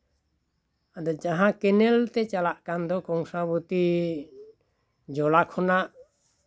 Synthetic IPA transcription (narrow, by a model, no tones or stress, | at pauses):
ad̪ɔd͡ʒaɦãkɛnɛlt̪ɛt͡ʃalaʔkand̪ɔkɔŋsabut̪i | d͡ʒɔlakʰɔnaʔ